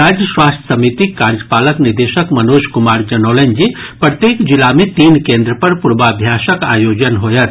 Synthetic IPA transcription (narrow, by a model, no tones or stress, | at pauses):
aːd͡ʒjəswaːst̪ʰə̥sɐmit̪ikaːɾd͡ʒəpaːləkniɾd̪eʃəkmɐnoːʃkʊmaːɾd͡ʒɐnɔːlend͡ʒipɾət̪jeːkd͡ʒilamet̪iːnkẽːnd̪ɾəpɐɾpuɾbaːbʱjaːʃəka̰ːjoːd͡ʒənɦoːjɐt̪